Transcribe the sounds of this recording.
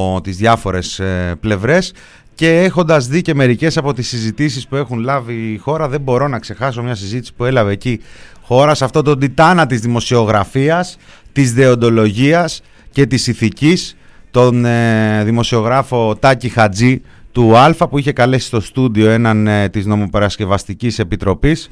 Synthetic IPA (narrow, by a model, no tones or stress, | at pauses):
t̪izðʝɐfo̞ɾe̞sple̞vɾe̞s | ce̞exo̞nd̪ɐzðice̞me̞ɾice̞sɐpo̞t̪isizit̪is̬ispue̞xunlɐvixo̞ɾɐðe̞bo̞ɾo̞nɐkse̞xɐso̞mɲɐsizit̪i̥si̥pue̞lɐve̞ːci | xo̞ɾɐsɐft̪o̞t̪o̞d̪it̪ɐnɐt̪izðimo̞sio̞ɣɾɐfiɐst̪izðe̞o̞nd̪o̞lo̞ʝiɐs | ce̞t̪isiθicis | t̪o̞nðimo̞sio̞ɣɾɐfo̞t̪ɐcixɐd͡zi | t̪uɐlfɐpuiçe̞kɐle̞si̥st̪o̞st̪uðio̞e̞nɐnt̪izno̞mo̞peɾɐsce̞vɐst̪icise̞pit̪ɾo̞pis